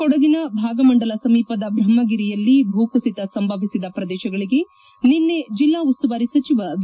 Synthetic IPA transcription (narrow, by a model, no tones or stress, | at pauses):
ɔɽɐɡinɐbʱaːɡɐmɐɳɖɐlɐsɐmiːpɐd̪ɐbʱɾɐmːɐɡiɾijɐlːibʱuːkusit̪ɐsɐmbʱɐʋisid̪ɐpɾɐd̪ɛːʃɐɡɐɭiɡe̞ | ninːed͡ʒilːaːust̪uʋaːɾisɐt͡ʃiʋɐ